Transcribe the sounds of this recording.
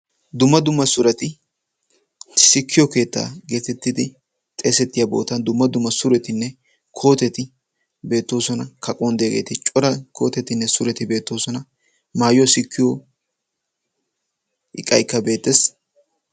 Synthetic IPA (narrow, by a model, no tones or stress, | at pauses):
d̪ʊmːɐd̪ʊmːɐsʊɾɐt̪ɪ | sɪkʰːɪjɔke̞ːt̪ːa̰ːɡeːt̪ɛt̪ːɪd̪ɪ | t̪ʼeːsɛt̪ːɪjɐbo̞̰ːt̪ːɐnd̪ʊmːɐd̪ʊmːɐsʊɾɛt̪ɪnːɛ | kʰo̞ːt̪ɛt̪ɪ | be̞ːt̪ːo̞ːsɔnɐkʰɐkʼɔnd̪ɪjɐɡḛːt̪ɪt͡ʃʼɔɾɐkʰo̞̰ːt̪ɛt̪ɪnːɛsʊɾɛt̪ɪbe̞ːt̪ːo̞ːsɔnɐ | maːjɪjɔsɪkʰːɪjɔ | ɪ̰kʼːɐ̰jkːɐbe̞ːt̪ːɛs